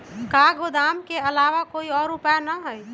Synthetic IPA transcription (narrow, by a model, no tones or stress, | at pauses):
kaːɡod̪aːmkeəlaːʋakoːiɔːɾːʊpjanəɦɛj